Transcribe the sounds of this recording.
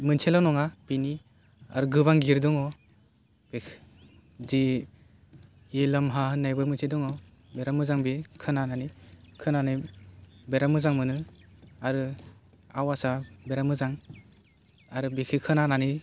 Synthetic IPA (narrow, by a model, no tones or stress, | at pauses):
mɯnsʰelanɔŋapini | a̰ɾɯɡɯβaŋɡiɾdɔŋɔ | b̥e | zi | elamɦahɯnːajbɯmɯnsʰedɔŋɔ | beɾamɯzaŋbikʰɯnananikʰɯnanɯjbeɾamɯzaŋmɯnɯaɾɯ | awasabeɾamɯzaŋ | aɾɯbekʰɯkʰɯnanani